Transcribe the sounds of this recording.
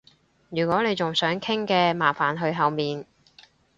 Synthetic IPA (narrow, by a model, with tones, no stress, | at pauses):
jyː˨˩kɔː˨˥ne˨˧jt͡sʊ˨ŋsœː˨˥ŋkʰɪ˥ŋkɛː˧maː˨˩faː˨˩nɦɵ˧ɥɦɐ˨˧wmiː˨n